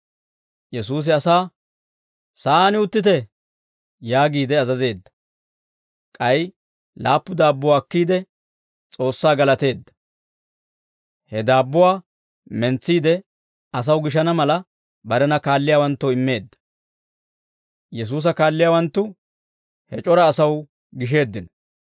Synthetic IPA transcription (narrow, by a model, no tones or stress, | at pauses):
jɛsuːs̬ɪɐsaː | saːnɪʊt̪ːɪt̪̬ɛ | jaːɡiːd̪ɛɐzɐze̞ːd̪ːɐ̥ | kʼɐj | laːpːʊd̪aːbːʊwaːkːiːd̪ɛ | t͡sʼo̞ːsːaːɡɐlɐt̪e̞ːd̪ːɐ̥ | hɛd̪aːbːʊwaː | mɛnt͡sːiːd̪ɛ | ɐs̬ɐwɡɪʃɐnɐmɐlɐ | bɐɾɛnɐkaːlːɪjaːwɐnt̪ːɔɪmːe̞ːd̪ːɐ̥ | jɛs̬uːs̬ɐkaːlːɪjaːwɐnt̪ːʊ | hɛt͡ʃʼɔɾɐːsɐw | ɡɪʃ̬e̞ːd̪ːɪn